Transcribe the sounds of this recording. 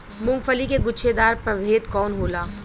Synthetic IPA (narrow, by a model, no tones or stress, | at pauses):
mʊ̃ŋɡfʰəlikeɡʊʃʰed̪aːɾpɾɐbʱeːt̪kɔːnɦoːlaː